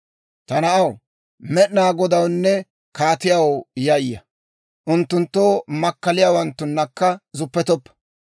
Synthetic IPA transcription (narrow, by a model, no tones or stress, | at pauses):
t̪ɐnɐʔɐw | mɛʔnaːɡɔd̪ɐwnːɛ | kaːt̪ɪjawjɐjjːɐ | ʔʊnt̪ːʊnt̪ːoːmɐkːɐlɪjaːwɐnt̪ːʊnːɐkːɐzʊpːɛt̪ɔpːɐ̥